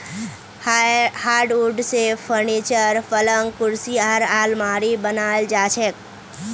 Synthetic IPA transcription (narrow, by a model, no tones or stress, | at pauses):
haːɾɖuɾɖsepʰəɾnit͡ʃəɾpələŋɡkʊɾsiaɾaːlmaːɾibənaːeld͡ʒaːt͡ʃʰek̚